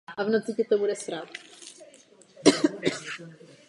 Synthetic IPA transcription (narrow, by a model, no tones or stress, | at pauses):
ʔavnot͡sɪcɛt̪obudɛspɾat̪